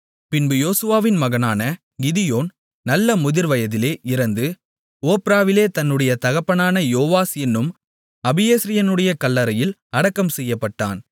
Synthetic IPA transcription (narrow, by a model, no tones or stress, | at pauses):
pɪnbɯjoːsɯʋaːʋɪnmɐɣɐnaːnɐ | ɡɪðɪjoːn | nɐlːɐmʊðɪɾʋɐjɐðɪleːʔɪɾɐnd̪ɯ | oːpɪɾaːʋɪleːt̪ɐnːɯɽɐjɐt̪ɐɣɐpːɐnaːnɐjoːʋaːsɛnːɯm | ɐbɪjeːsɾɪjɐnɯɽɐjɐkɐlːɐɾɐjɪlɐɽɐkːɐmsɛjːɐpːɐʈːa̰ːn